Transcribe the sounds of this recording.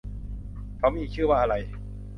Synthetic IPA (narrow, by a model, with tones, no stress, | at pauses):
kʰa˦˥miː˧˨˩k̚t͡ɕʰɯː˥˩waː˥˩ʔa˧ɾa˧j